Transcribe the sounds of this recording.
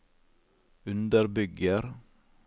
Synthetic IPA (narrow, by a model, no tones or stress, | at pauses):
ʉnd̪əɾbʏɡəɾ